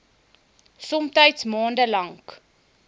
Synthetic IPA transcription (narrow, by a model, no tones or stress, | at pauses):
sɔmtəjtsmɑːndəlɐŋk